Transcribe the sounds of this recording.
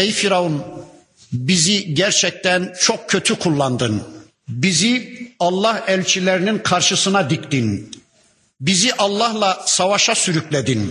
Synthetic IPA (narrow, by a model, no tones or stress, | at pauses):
ejfiɾaon | biziɟæɾt͡ʃʰɛc̚t̪ænt͡ʃʰo̞k̚cʰø̞t̪ʰykʰulˠːɑnd̪ɯn | biziɑlˠːɑhælʲt͡ʃʰilʲeɾininkʰɑɾʃɯsɯnad̪ikt̪in | biziʔɑlˠːɑhlˠɑsɑvaʃasyɾyclʲed̪in